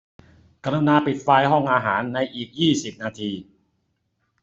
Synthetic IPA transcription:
ka˧nu˧naː˧pi˨˩t̪̚faː˧jɦɔ˥˩ŋʔaː˧ɦaː˩˦nːa˧jʔiː˨˩k̚jiː˥˩si˨˩p̚naː˧t̪ʰiː˧

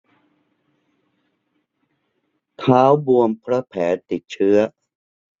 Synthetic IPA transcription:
t̪ʰaː˦˥wbu˧əmpʰɾa˦˥pʰɛː˩˦t̪i˨˩t̪̚t͡ɕʰɯ˦˥ɐ

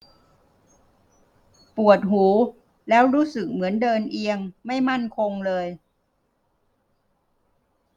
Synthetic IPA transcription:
pu˨˩ət̪̚huː˩˦ | lɛː˦˥wɾuː˦˥sɯ˨˩k̚mɯ˩˦əndɤː˧nʔi˧əŋma˥˩jma˥˩nkʰo˧ŋlɤː˧j

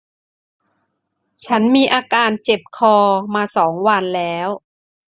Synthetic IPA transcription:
t͡ɕʰa˦˥nmiː˧ʔaː˧kaː˧nt͡ɕe˨˩p̚kʰɔː˧maː˧sɔː˩˦ŋwa˧nlɛː˦˥w

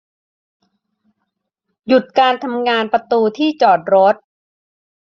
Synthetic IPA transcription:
ju˨˩t̪̚kaː˧nt̪ʰa˧mŋaː˧npɾa˧t̪uː˧t̪ʰiː˥˩t͡ɕɔː˨˩t̪̚ɾo˦˥t̪̚

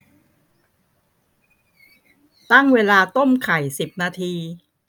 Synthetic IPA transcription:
t̪a˥˩ŋweː˧laː˧t̪o˥˩mkʰa˨˩jsi˨˩p̚naː˧t̪ʰiː˧

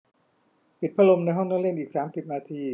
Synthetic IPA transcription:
pʰi˨˩t̪̚pʰa˧lo˧mna˧jɦɔ˥˩ŋnaː˥˩˨le˥˩nʔiː˨˩k̚saː˩˦msi˨˩p̚naː˧t̪ʰiː˧

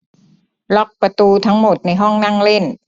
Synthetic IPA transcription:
lɔ˦˥˩k̚pa˧t̪uː˧t̪ʰa˦˥ŋmo˨˩t̪̚na˧jɦɔ˥˩ŋna˥˩ŋle˥˩n

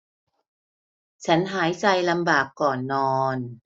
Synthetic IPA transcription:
t͡ɕʰa˦˥nɦaː˩˦jsa˧jla˧mbaː˨˩kːɔː˨˩nːɔː˧n

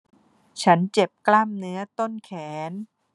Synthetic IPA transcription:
t͡ɕʰa˦˥nt͡ɕe˨˩p̚klaː˥˩mnɯ˦˥ɐt̪o˥˩nkʰɛː˩˦n

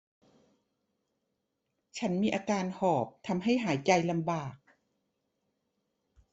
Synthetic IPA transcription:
t͡ɕʰa˦˥nmiː˧ʔaː˧kaː˧nhɔː˨˩p̚t̪ʰa˧mɦa˥˩jɦaː˩˦jt͡ɕa˧jla˧mbaː˨˩k̚

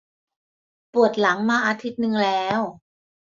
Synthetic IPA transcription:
pu˨˩ət̪̚la˩˦ŋmaː˧ʔaː˧t̪ʰi˦˥t̪̚nɯ˧ŋlɛː˦˥w

